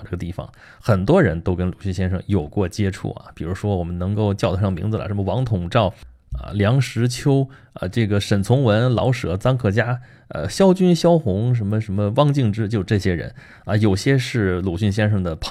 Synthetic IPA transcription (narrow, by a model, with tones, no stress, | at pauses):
ʈ͡ʂɤ˥˩ɡə˩t̪i˥˩fɑ̰˨˩ŋ | xə˨˩nt̪wɔ˥ɻə˧˥nt̪o˥ʊkə˥nlu˨˩ɕy˥˩nɕjɛ˥nʂɤ̰˥˩ŋjo˨˩ʊkwɔ˥˩t͡ɕjɛ˥ʈ͡ʂʰṵ˥˩ɐ̰˩pi˨˩ɻu˧˥ʂwɔ˥wɔ˨˩mə˦nɤ˧˥ŋko˥˧ʊt͡ɕjʊt̪ʰʂɑ˥˩ŋmḭ˧˥d͡zɹ̩˧˨lə̰˩ʂə˧˥mə˧wɑ˧˥ŋt̪ʰʊ˨˩ŋʈ͡ʂɑ˥˩ʊ | ə̰˧˩ljɑ˧˥ŋʂɻ̩˧˥t͡ɕʰjo˥ʊ | ə̰˧ʈ͡ʂɤ˥˩ɡə˩ʂə˨˩nt͡sʰʊ˧˥ŋwə˧˥nlɑ̰˧˥ʊʂɤ̰˧˥t͡sɑ˥ŋkʰɤ˥˩t͡ɕja˥ | ə̰˧ɕjɑ˥ʊt͡ɕy˥nɕjɑ˥ʊxʊ˧˥ŋʂ̬ə˧˥nmə˧ʂə˧˥nmə˧wɑ˥˧ŋt͡ɕi˥˩˧ŋʈ͡ʂɻ̩˥t͡ɕjo˥˧˩ʈ͡ʂɤ˥˩ɕjɛ˥ɻə̰˧˥n | ə˧jo˨˩ʊɕjɛ˥ʂɻ̩˥˩lu˨˩ɕy˥˩nɕ̬jɛ˥nʂɤ˥˩ŋd̪ə˩pʰ